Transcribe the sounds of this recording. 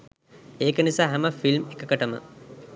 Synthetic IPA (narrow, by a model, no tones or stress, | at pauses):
eːkənisaːɦæməfilmekəkəʈəmə̰